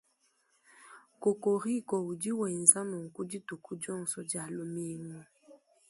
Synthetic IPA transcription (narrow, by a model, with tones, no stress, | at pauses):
ko˨ko˨ɾi˦˨kɔ˨u˨d͡ʒi˦wɛ˨n˨za˦nɔ˨ŋ̩˨ku˦d͡ʒi˦tu˨ku˦d͡ʒɔ˦˨ŋ˨sɔ˦d͡ʒa˨lo˦mi˦nɔ˦